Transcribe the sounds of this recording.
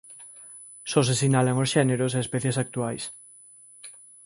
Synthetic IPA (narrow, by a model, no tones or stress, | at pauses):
sos̬esinalaŋosʃɛneɾos̬eespɛθjesak̚t̪uajs